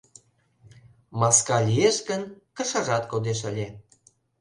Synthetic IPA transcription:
mɑskɑlʲijeʃɡənkə̆ʃɑʒɑt̪kod̪eʃəlʲe

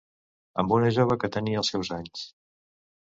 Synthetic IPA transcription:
ə̰mbunəʒoβ̞əkət̪əniəːlˠsɛwzaɲs

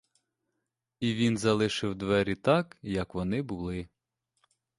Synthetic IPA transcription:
iʋʲinzɐlˠɪʃɪwd̪ʋɛɾʲit̪ɑkjɐkʋɔnɪbʊlˠɪ

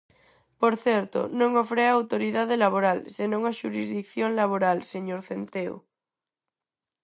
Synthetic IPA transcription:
poɾθɛɾt̪o̰nõŋofɾeaːwt̪oɾiðaðelaβ̞oɾalsenõŋaʃuɾizðikθjoŋlaβ̞oɾalseɲoɾθent̪eo̰

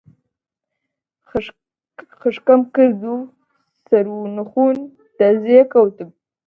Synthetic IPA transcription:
xəʂkamkəzu | saɾunuxun | t̪azekawt̪əb̚

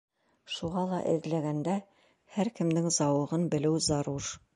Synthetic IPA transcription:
ʃuʁɑlˠɑʔɘ̰̆ðlæɡænd̪æ | hæɾkɘ̆md̪ɘŋzɑwɤ̆ʁɤnbɘ̆lɘwzɑɾuɾ

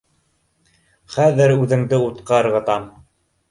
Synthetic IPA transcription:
χæðɘɾʉðɘ̆ŋd̪ɘut̪qɑɤ̆ɾʁɤ̆t̪ɑm

